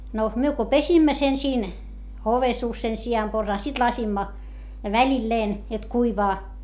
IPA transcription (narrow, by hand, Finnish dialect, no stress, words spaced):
no myø ko pesimːæ sen siːn oʋesuːs sen siɑmporsɑː sit lɑsimːɑ ʋælʲilːeːn jot kuiʋɑː